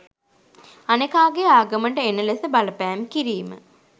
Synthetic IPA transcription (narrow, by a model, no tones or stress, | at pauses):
anekaːɡeaːɡəməɳɖəenəlesəbaləpæːmkiɾiːmə̰